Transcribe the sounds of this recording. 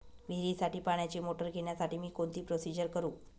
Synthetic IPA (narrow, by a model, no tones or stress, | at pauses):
ʋʱiɾiːsaʈiːpaɳjat͡ɕemoʈəɾɡʱeɳ̃jasaʈiːmiːkont̪iːpɾosid͡ʑəɾkəɾuː